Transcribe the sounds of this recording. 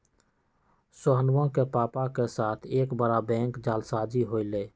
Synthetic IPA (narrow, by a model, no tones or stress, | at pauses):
soɦənwõkepaːpakesaːt̪ʰeːkbəɾabɛ̃ːŋkd͡ʒaːlsaːd͡ʒiɦoːileː